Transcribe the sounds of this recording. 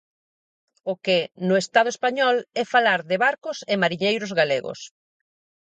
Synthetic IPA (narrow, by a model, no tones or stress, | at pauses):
ʊkɪnʊest̪að̞ʊespaɲɔlɛfalaɾðɪβaɾkʊsemaɾiɲejɾozɣaleɣo̰s